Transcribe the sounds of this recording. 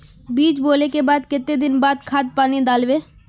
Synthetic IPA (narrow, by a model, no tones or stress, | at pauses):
biːt͡ʃboːlekebaːd̪kɪt̪ːed̪ɪnbaːd̪kʰaːt̪̚paːnid̪aːlʋeː